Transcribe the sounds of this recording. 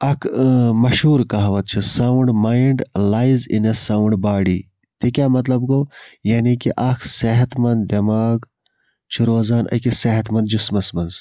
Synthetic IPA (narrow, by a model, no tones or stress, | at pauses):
ɐkʰmɐʃɦuːɾkɐɦɐʋɐt̪̚t͡ʃʰisawuɳɖmaːiɳɖlaːizḭnɐsawɳɖbaːɽiː | t̪ekʲjaːmɐt̪lɐbɡoːjaːnikiʔɐkʰseɦɐt̪mɐnd̪d̪ɐmaːɡ | t͡ʃʰiɾoːzaːnʔɐ̰kiseɦɐt̪mɐnd̪̚d͡ʒismɐsmɐnz